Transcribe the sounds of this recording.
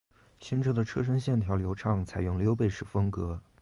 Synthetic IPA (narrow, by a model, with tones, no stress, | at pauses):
ɕi˥nʈ͡ʂʰɤ˥d̪ə˨ʈ͡ʂʰɤ˥ʂ̬ə˥ŋɕjɛ˥˩nt̪ʰjɑ˧˥ʊljo˧˥ʊʈ͡ʂʰɑ˥˩ŋt͡sʰa˨˩ɪjʊ˥˩ŋljo˥ʊp̬e˥˧ɪʂɻ̩˥˩fɤ˥ŋkɤ˧˥